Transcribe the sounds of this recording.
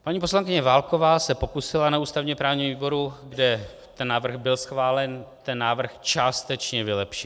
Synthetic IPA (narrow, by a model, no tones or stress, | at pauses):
ppaɲiːpo̞slaŋkɪɲɛvaːlko̞vaːsɛpo̞kusɪlanauːst̪avɲɛmpɾaːvɲiːmviːbo̞ɾuɡdɛ | t̪ɛnːaːvr̩ɣbɪlsxvaːlɛnt̪ɛnːaːvr̩xt͡ʃaːst̪ɛt͡ʃɲɛvɪlɛpʃɪ